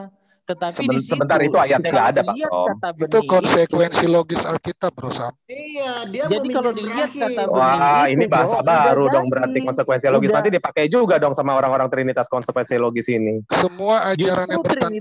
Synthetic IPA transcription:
səəsəbənt̪aɾit̪uajat̪̚ŋɡaːdapakdɔ̰ŋit̪ukɔnsekwɛnsiloɡɪsalkit̪ap̚ɾosa | d͡ʒalit̪̚awainibaɦasabaɾudɔŋbəɾart̪ikɔnsəkwɛnsiloɡɪsnant̪idipakajd͡ʒuɡadɔŋsamaoɾaŋoɾaŋt̪əɾinit̪askɔnsəkwɛnsiloɡɪsinisəmuaat͡ʃaɾanjabərt̪a

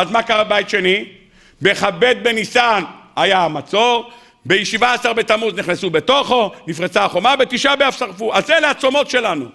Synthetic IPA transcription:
azmakaʁabajit̪ʃe̞ni | beχabe̞d̪̚be̞nisanajamat͡so̞ʁ | bejeʃivaasaʁbe̞t̪amuzniχnesubet̪o̞χo̞nifʁet͡saaχomabe̞t̪iʃabeafsaʁfuʔazeleat͡so̞mo̞tʃe̞lanṵ

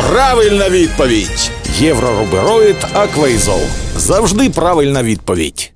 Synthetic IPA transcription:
praʋɪlʲnɐʋʲid̪̚pɔʋʲitʲjɛwɾɔɾʊbɪɾɔjɪt̪ɐkʋɐjzɔ̰lˠzɐwʐd̪ɪpɾaʋɪlʲnɐʋʲid̪̚pɔʋʲḭdʲ

